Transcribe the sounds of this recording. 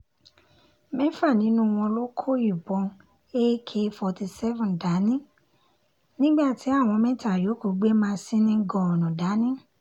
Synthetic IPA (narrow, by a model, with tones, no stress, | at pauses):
mɛ̃˦fa˦˨nĩ˨˦nũ˦w̃ɔ̃˧lo˦kʰo˦i˨bɔ̃˧ | e˦kʰe˦˧fɔ˧ti˧sɛ˦vɔ̃˨nda˨˦nĩ˦ | nĩ˦ɡ͡ba˦˨ti˨˦a˦˨w̃ɔ̃˧mɛ̃˦ta˦˨jo˨˦ko˨ɡ͡be˦mãː˧sĩ˦nĩ˦ɡɔ˨ɔ˨nɔ̃˨da˨˦nĩ˦